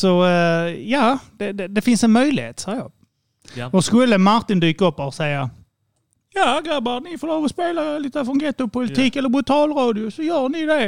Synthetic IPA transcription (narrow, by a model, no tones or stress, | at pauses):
sɔ | jɑːd̪̥ɛd̪ɛd̪ɛfɪnsɛnmœjlɪhḛːt̪sɑːjɑ̰ː | vɑʂkɵlːəmaɾt̪ɪnd̪yːkaɵpːasɛja | jɑːɡabaɾnɪfɔloːvɔspeːlaliːt̪əfɾɔnɡɛt̪ːʊpʊlɪt̪ʰiːkɛlːəɾbɾʊt̪ʰɑːlɾɑːd̪ɪʊsɔjœːɳɪd̪ɛ